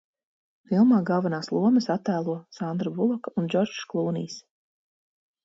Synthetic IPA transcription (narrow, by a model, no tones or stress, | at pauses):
filˠmaːɡɑlˠvanaːslˠuɔməsat̪ːæːlˠuɔsand̪ɾabulˠɔkaund͡ʒɔɾd͡ʒklˠuːnḭːs